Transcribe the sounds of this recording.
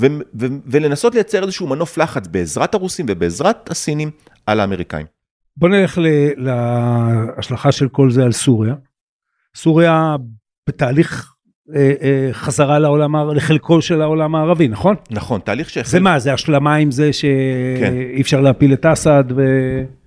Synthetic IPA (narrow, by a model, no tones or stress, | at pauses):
vevevelenasotlejat͡seezeʃumano̞flaχat͡sbeːzʁat̪aʁusimvebeːzʁat̪asinim | alaːme̞ʁika̰ḭm | bo̞neleχlela | aʃlaχaʃe̞lko̞lzealsuʁija | suʁja | b̥etaːliχ | eχazaʁalaolamaːʁleχelkʰo̞lʃe̞laolamaːʁavinaχo̞nnaχo̞nt̪aːliχʃezemazeaʃlamaimzeʃe̞kiːfʃaʁleapiletasad̪ve